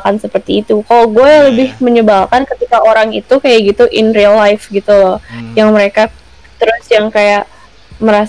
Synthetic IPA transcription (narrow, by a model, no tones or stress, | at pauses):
kansəpərt̪iːt̪ukaloɡualəbɪhməɲəbalkankət̪ikaʔoɾaŋit̪ukajaʔɡit̪uʔɪnriəlːajfɡit̪ulɔhjaŋməɾeka | t̪əɾʊsjaŋkajaʔ | məɾas